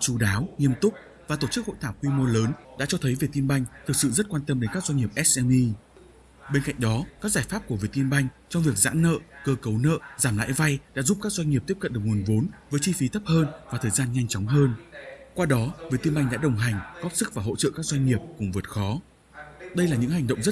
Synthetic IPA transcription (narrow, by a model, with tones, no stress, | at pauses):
t͡ɕu˧ɗaː˨˦wŋi˧əmt̪ʊ˦˥k͡p̚ | vaː˨˩t̪o˧˩t͡ɕɨ˦˥k̚ho̰˧˨jt̪ʰaː˧˩wkwi˧mo˧ləː˨˦nɗa̰ː˧˥t͡ɕɔ˧t̪ʰə˨˦jve˨˩t̪i˧nɓa˧jŋ̟t̪ʰɨ˨˩k̚sɨ̰˧˨zə˦˥t̚kwaː˧nt̪ə˧mɗe˨˦nkaː˦˥k̚zwa˧ŋ̟ŋi˨˩əp̚ʔɛ˦˥sʔɛ˧mi˧ | ɓe˧nka̰˧˨jŋ̟ɗɔ˨˦kaː˦˥k̚zaː˧˩jfaː˦˥p̚ku˧˩vi˨˩t̪i˧nɓa˧jŋ̟t͡ɕɔ˧wŋ͡mvi˨˩ək̚za̰ː˧˥nːə̰ː˧˨kəː˧kə˨˦wnə̰ː˧˨zaː˧˩mla̰ː˧˥jva˧jɗa̰ː˧˥zu˦˥p̚kaː˦˥k̚zwa˧jŋ̟ŋi˨˩p̪̚i˦˥əp̚kə̰˧nɗ̚ŋu˨˩ənvo˨˦nvəː˨˦jt͡ɕi˧fi˨˦t̪ʰə˦˥p̚həː˧nvaː˨˩t̪ʰəː˨˩jzaː˧nɲa˧jŋ̟t͡ɕɔ˨˦wŋ͡mɦəː˧nkwaː˧ɗɔ˨˦vi˨˩t̪i˧nɓa˧jŋ̟ɗa̰ː˧˥ɗə˨˩wŋ͡mɦa˨˩jŋ̟ɣɔ˦˥p̚sɨ˦˥k̚vaː˨˩ɦo̰˧˨t͡ɕə̰ː˧˨kaː˦˥k̚zwa˧ŋ̟ŋi˨˩əp̚kʊ˨˩ŋ͡mvt̚xɔ˨˦ | ɗə˧jlaː˨˩ɲɨ̰˧˥ŋha˨˩ŋ̟ɗə̰˧˨ŋ͡mzə˦˥